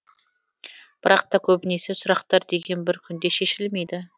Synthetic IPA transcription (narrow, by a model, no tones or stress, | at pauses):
b̥ɪɾɑq̚t̪ɑkʲʰɵbɪne̞sesʊɾɑqt̪ɑɾd̪e̞ɡʲe̞nbɪɾkʲʰʏnd̪e̞ʃe̞ʃɪlme̞jd̪ɪ